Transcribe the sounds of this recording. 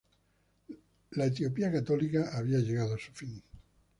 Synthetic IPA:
laet̪̬jopiakat̪olikaʔaβ̞iaʎeɣað̞oasu̥fiŋ

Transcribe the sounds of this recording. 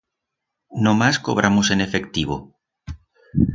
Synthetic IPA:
nõmasko̰β̞ɾʔamosenefekt̪iβ̞o̰

